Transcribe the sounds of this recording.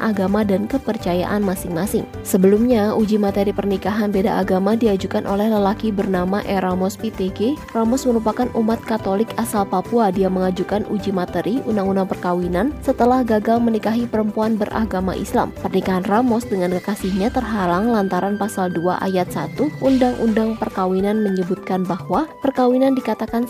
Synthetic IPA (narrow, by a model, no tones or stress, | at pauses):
ʔa̰ɡamadankəpərt͡ʃaja̰ʔanmasɪŋmasɪŋ | səbəlumɲaud͡ʒimat̪eɾipərnikaɦanbeda̰ʔaɡamadiad͡ʒukanʔolɛhləlakibərnamaʔɛɾamɔspit̪eɡeramɔsməɾupakanʔumat̪̚kat̪olɪkasalpapuadiaməŋad͡ʒukanʔud͡ʒimat̪əɾʔiʔundaŋundaŋpərkawinansət̪əlahɡaɡalmənikaɦipəɾəmpuanbərʔa̰ɡama̰ʔḭsla̰mpərnikaɦanramɔsdəŋankəkasihɲat̪ərɦalaŋlant̪aɾanpasaldua̰ʔa̰jat̪̚sa̰t̪uundaŋʔṵndaŋpərkawinanməɲəbut̪̚kanbahwapərkawinandikat̪akan